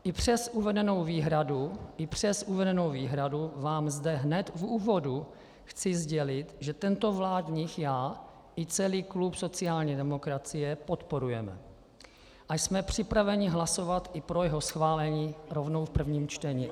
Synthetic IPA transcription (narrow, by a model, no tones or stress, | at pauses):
ʔɪpr̝̥ɛsʔuvɛdɛno̞wviːɦɾaduʔɪpr̥ɛsʔuvɛdɛnowviːɦɾaduvaːmzdɛɦnɛt̪vuːvo̞du | xt͡sɪzɟɛlɪt̪ʒɛt̪ɛnt̪o̞vlaːdɲixjaː | ʔɪt͡sɛliːklupso̞t͡sɪaːlɲiːdɛmo̞kɾat͡sɪjɛpo̞t̪po̞ɾujɛmɛ̰ | ʔajsmɛpr̝̥ɪpɾavɛɲɪɦlaso̞vat̪ɪpɾojɛɦosxvaːlɛɲiːɾovno̞wfpr̩vɲiːmt͡ʃt̪ɛɲɪ